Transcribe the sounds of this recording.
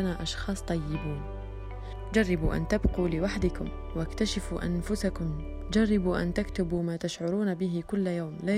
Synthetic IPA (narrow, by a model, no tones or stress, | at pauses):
anaːʔɑʃxɑːsˤt̪ˤɑjːɪbuːn | d͡ʒɑrˤːɑbṵːʔa̰nt̪abquːlɪwaħd̪ɪkʊm | wakt̪aʃɪfṵːʔa̰nfʊsakʊm | d͡ʒarˤːɪbuːʔa̰nt̪akt̪ʊbuːmaːt̪aʃʕʊɾuːnbɪɦɪkʊlːjawmlaː